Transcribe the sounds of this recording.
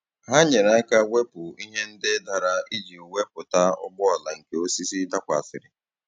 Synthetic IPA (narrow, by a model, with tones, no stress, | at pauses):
ɦa˦ɲe˨ɾa˦ka˦we˦pʊ˨i˦ɦe˦n̩˦dɪ˦da˨ɾa˨i˦d͡ʒi˨we˦pʊ˨ta˦ʊ̰˦ɡ͡bʊ˦a˨la˨ŋ̩˨ke˨o˦si˦si˦da˦kʷa˨sɪ˨ɾɪ˨